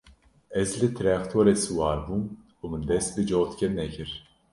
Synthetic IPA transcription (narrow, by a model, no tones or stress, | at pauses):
ɛzlɨt̪ʰɨɾɛkt̪ʰoːɾesɨwɑːɾbum | umɨnd̪ɛst̪̚lɨd͡ʒot̪kʲɛnɛkʰɨɾ